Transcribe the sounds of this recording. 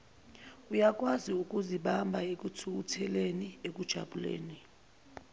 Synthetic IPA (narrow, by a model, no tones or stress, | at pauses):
ujak̬ʼwaziuk̬ʼuziɓambʱaek̬ʼutʰuk̬utʰɛleniek̬ud̥ʒ̥ʱa̰ɓulḛːni